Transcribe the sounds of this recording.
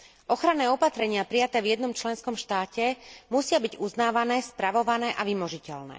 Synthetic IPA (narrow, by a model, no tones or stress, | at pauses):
ʔɔxɾanɛːɔpat̪ɾɛɲɪapɾijat̪ɛːvjɛd̪nɔmt͡ʃlɛnskɔmʃt̪aːcɛmusɪabiɟuznaːʋanɛːspɾaʋɔʋanɛːʔaʋimɔʒicɛlnɛ̰ː